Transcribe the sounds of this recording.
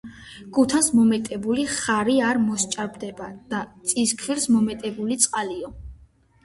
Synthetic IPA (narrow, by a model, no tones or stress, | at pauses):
ɡ̥ut̪ʰansmɔmɛt̪ʼɛbuliχaɾiaɾmɔst͡ʃʼaɾbd̪ɛbad̪̥at̪sʼiskʰviɾsmɔmɛt̪ʼɛbulit̪sʼqʼaliɔ